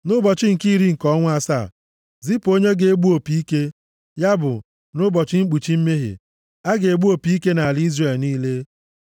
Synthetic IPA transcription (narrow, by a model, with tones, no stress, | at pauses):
nʊ˦bɔ˨t͡ʃɪ˦ŋ̩˨ki˦ɾi˦ŋ̩˨kɔ˦ŋʷ˦a˦sa˦˨ | zi˦po˦ɲe˦ɡe˨e˦ɡ͡bu˦o˨pi˨i˦ke˦ | ja˦bʊ̰˨ | nʊ˦bɔ˨t͡ʃɪ˦ŋ͡m̩˦k͡pu˨t͡ʃi˦m̩˦me˦ɦḛ˨ | a˦ɡe˨e˨ɡ͡bu˦o˨pi˦i˦ke˦na˨a˨lzre˨lniː˦le˦